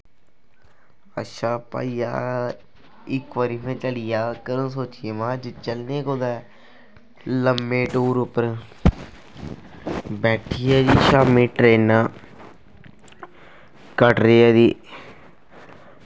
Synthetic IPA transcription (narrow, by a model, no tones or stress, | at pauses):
əʃaːpa̰ːiːja̰ː | ɪkʋəɾiːpʰẽːt͡ʃəlɪjaːkəɾənsoːt͡ʃɪeːmãːd͡ʒt͡ʃəlnẽːkoːd̪ɛː | ləmːeːʈoːɾʊpəɾ | bɛːʈʰiːɛːd͡ʒiːʃaːmĩːʈɾeːnaː | kəʈɾeːɛːd̪iː